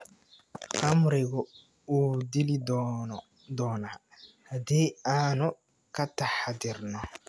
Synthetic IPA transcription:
χɐmɾɪɡʊ | uːd̪ilɪd | d̪ɔːnaː | hɐd̪iːaːnʊ | kɐt̪ɐħad̪ɪrnɔ

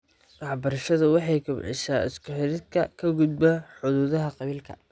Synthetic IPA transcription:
ʔɑħbɐɾɐʃɐðʊwɑħɑjkʊbʕɪ̰ʃaːɪ̰skʰʊħɪɾɪd̪kʰɐkʰɐɡʊd̪bɐħʊðuːðɐɦɐqɑβiːlkʰɐ̰

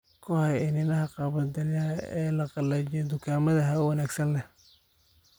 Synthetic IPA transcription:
kʰʊhɐjɪnɪnɐɦɐqɑβɐd̪ɐljɐɐɛːlɐqɑlɛt͡ʃɔd̪ʊkʰaːmɐðɐɦɐʊwɑnaːɡsɐnlɛh

